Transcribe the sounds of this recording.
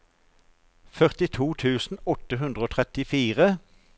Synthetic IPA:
fœʁt̪ɪt̪ʰuːt̪ʰʉːsn̩ɔt̪əɦʉnd̪ʁəoːt̪ʰʁɛt̪ɪfiːʁə

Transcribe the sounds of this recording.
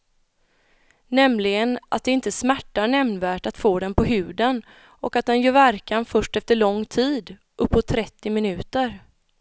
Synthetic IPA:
nɛmlɪɡənʔa̰t̪̚d̪ɛɪnt̪əsmæʈːaɳɛmnvæːʈat̪foːd̪ɛnpʰɔɦʉ̟ːd̪ən | ʔɔkat̪̚d̪ɛnjœːɾvæɾkanfœʂʈɛft̪əɭɔŋːt̪ʰiːd̪ | ʔɵpːɔt̪ʰːɾɛt̪ːɪmɪnʉ̟ːt̪əɾ

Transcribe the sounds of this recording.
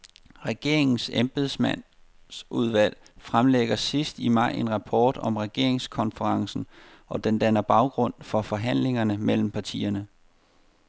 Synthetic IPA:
ʁɛɡ̥e̝ɐ̰e̝ŋn̩semb̥eðˠsmæn̰ | sʔuð̞ˠʋæl̰ | fʁamleɡ̥ɐsisd̥imɑ̈ɪ̰e̝nʁɑ̈pʰɒːd̥ɒ̽mʁɛɡ̥e̝ɐ̰e̝ŋskʰɒ̽nfəʁɑ̈ŋsn̩ | ʔɒ̽d̥end̥ænɐb̥ɑ̈ʊɡ̥ʁɔ̽n̰fɒ̽fɒ̽ɦæn̰le̝ŋɐnəmel̰m̩pʰɑ̈t͡sʰḭːɐnə

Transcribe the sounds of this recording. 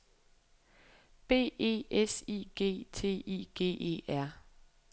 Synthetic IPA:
b̥e̝̰ːe̝̰ːʔesḭːɡ̥e̝̰ːt͡sʰe̝̰ːḭːɡ̥e̝̰ːʔe̝̰ːæɐ̰

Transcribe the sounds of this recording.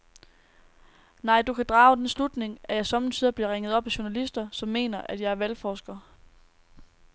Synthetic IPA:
nɑ̈ɪ̰d̥ukʰæd̥ʁɑ̈ːʊd̥enslud̥ne̝ŋæjɑ̈ɪsɒ̽mn̩sʰiðˠɐb̥liɐʁeŋð̩ˠɒ̽b̥æɕuɐnælisd̥ɐsɒ̽mːe̝̰ːnɐʔæd̥jɑ̈ɪɐʋælfɒːsɡ̥ɐ

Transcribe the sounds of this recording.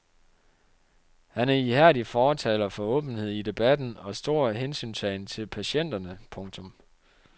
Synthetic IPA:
hænæɐihæɐ̰d̥ifɒːt͡sʰɛ̰ːlɐfɒ̽ɔ̰̽ːb̥n̩he̝ð̞̰ˠid̥e̝b̥æd̥n̩ɒ̽sd̥o̝ɐ̰ɦensy̰ːnsɛːɪnt͡sʰe̝lpʰæɕen̰d̥ɐnəpʰɔ̽ŋt͡sʰɔ̽m

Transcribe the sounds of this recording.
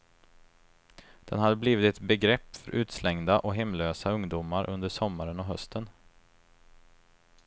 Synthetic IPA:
d̪̥ɛnhad̪ːəbliːvɪt̪ɛt̪bɛɡɾɛpːfœɾʔʉ̟ːt̪slɛŋd̪aʔɔɦɛmløːsaɵŋd̪umaɾʔɵ̰nd̪əʂɔmːaɾənɔɦœst̪ʰən

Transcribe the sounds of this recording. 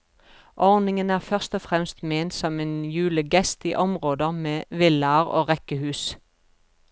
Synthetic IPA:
ʔɔʁnɪŋənæːʁfœʁst̪ɔfʁɛmst̪meːnsɔmeːnjʉːləɡɛst̪ḭːʔɔmʁoːd̪əmeːʋɪləɑʁo̰ːʁɛkəhʉːs

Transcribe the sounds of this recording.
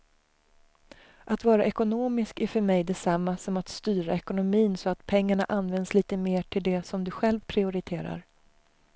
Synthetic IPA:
ʔat̪vɑːɾaʔɛkʊnoːmɪskæɾfœɾmɛjd̪ɛsamːasɔmat̪st̪yːɾaɛkʊnʊmiːnsɔat̪pʰɛŋːaɳa̰ʔanvɛnd̪sliːt̪əmeːʈʰɪld̪ɛsɔmd̪ɵɧɛlvpʰɾɪʊɾɪt̪ʰeːɾa̰ɾ

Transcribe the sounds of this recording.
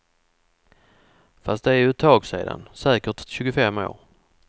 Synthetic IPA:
fast̪̚d̪ɛæɾjɵt̪ʰːɑːɡsḛːd̪a̰nsɛːkəʈɕʉ̟ːɡʊfɛmːo̰ːɾ

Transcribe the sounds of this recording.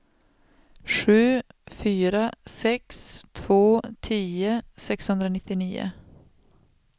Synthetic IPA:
ʂʉ̟ːfyːɾasɛkst̪ʰv̥oːt̪ʰiːəsɛkshɵnd̪ɾənɪt̪ːɪniːə̰

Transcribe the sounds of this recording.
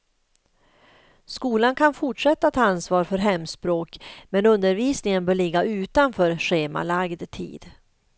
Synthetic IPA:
skuːlankʰanfʊʈʂɛt̪ːat̪ʰɑːansvɑːɾfœɾɦɛmːspɾoːkmɛnɵnd̪əɾviːsnɪŋənbœːɭɪɡːaʉ̟ːt̪anfœːɾɧeːma̰laɡd̪t̪ʰḭːd̪

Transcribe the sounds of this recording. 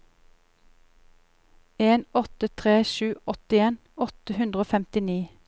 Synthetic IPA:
eːnɔt̪ət̪ʰʁeːʃʉːʔɔt̪ɪeːn | ɔt̪əhʉnd̪ʁəoːfɛmt̪ɪniː

